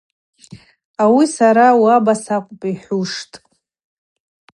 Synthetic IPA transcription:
awisaɾawabasaqʷʼpʼiħʷuʂtʼ

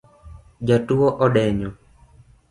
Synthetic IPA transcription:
d͡ʒatuwɔʔɔɗɛɲɔ

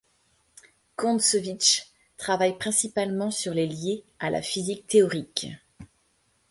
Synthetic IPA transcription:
kɔ̃sɔvit͡ʃ | t̪χavajpχɛ̃sipalmɑ̃syʁlelje | alʔa̰fizik̚t̪eɔʁik

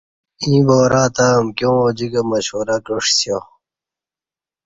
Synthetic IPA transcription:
ĩːboːɾaːt̪aːmkjõd͡ʑiɡɐmɐɕoːɾɐkəʂsjo

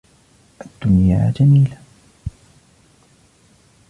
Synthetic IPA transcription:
ʔad̪ːʊnja̰ːd͡ʒamiːla

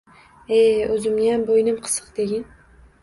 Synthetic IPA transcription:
eɵzɪmnɪjambojnɪmqʰɨ̥sɨ̥qd̪eɡʲɪn

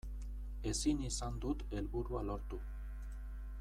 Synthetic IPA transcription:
e̞sinisand̪ut̪e̞lβuɾualo̞ɾt̪u

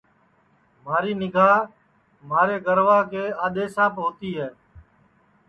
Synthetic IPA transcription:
maːɾiːnɪɡʱaː | maːɾeːɡəɾʋaːkeːaːɗ̪eːsãːpɦoːt̪iːɦɛː

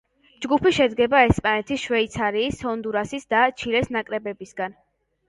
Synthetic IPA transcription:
d͡ʒɡupʰiʃɛd̪ɡɛbaɛspʼanɛt̪ʰisʃwɛit̪sʰaɾiːsɔnd̪uɾasisd̪at͡ʃʰiɾɛsnakʼɾɛbɛbisɡan

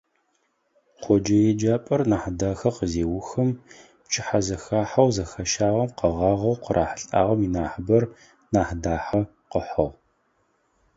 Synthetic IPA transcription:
qʰʷɔd͡ʒɐjɛd͡ʒaːpʼɐrnaːħdaːxɐqəzeːwʊxɨm | pt͡ʃʰʼɪħazɐxaːħɐwzɐxɐʃaːʁɐmqɐʁɑːʁɐwqərʔa̰ːħəɬʼa̰ːʁɐminaːħəbɐr | naːħdaːħɐ | qəħɐʁ

